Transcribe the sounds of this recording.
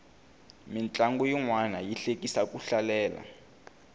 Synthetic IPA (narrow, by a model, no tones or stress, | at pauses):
mint͡ɬʼaŋɡujiŋwanajiɬekʼisakʼuɬalɛːla̰